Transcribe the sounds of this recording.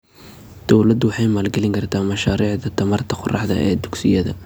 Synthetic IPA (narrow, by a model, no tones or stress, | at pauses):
d̪̥ɔwlɐd̪ʊwɑħɑjmaːlɡɛlɪŋkʰɐrt̪ʰaːmɐʃaːɾiːʕd̪ɐt̪ʰɐmɐrt̪ʰɐqʊrɑħd̪ɐ̰ʔɛːd̪ʊɡsɪjɐðɐ̰